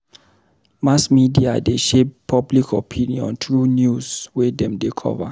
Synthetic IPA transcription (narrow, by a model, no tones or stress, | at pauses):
masmidia̰deʃeppʰːɔblikʰɔpʰĩniɔ̰̃ntɹunjuzwɛdɛ̃mdekʰɔ̰va̰